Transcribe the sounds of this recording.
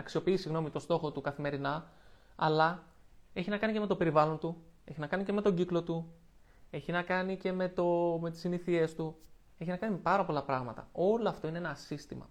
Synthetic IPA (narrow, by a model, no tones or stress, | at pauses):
ɐksio̞piisiɣno̞mit̪o̞st̪o̞xo̞t̪ukɐθime̞ɾinɐ | ɐlɐ | e̞çinɐkɐnice̞me̞t̪o̞pe̞ɾivɐlo̞nt̪ue̞çinɐkɐnice̞me̞t̪o̞ɟiklo̞t̪u | e̞çinɐkɐnice̞me̞t̪o̞me̞t̪i̥siniθie̞st̪u | e̞çinɐkɐnipɐɾɐpo̞lɐpɾɐɣmɐt̪ɐ̰o̞loɐft̪o̞ineenɐsist̪imɐ̰